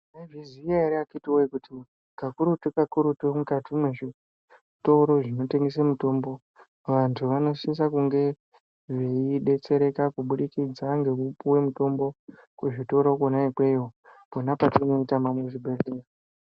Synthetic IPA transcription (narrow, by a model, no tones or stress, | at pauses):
maiviziaeɾiakitiwoikuti | kakuɾutukakuɾutumukatʰimweʐi | to̞ɾo̞ʐino̞te̞ŋɡes̬emuto̞mbo̞ | ʋantʰuʋano̞sis̬akuŋɡe̞ | ʐeiɗe̞t͡se̞ɾe̞kakuɓuɗikid͡zaŋɡe̞upuwe̞muto̞mbo̞ | kuʐito̞ɾo̞konaikwe̞joponapatino̞itamamweʐibʱereera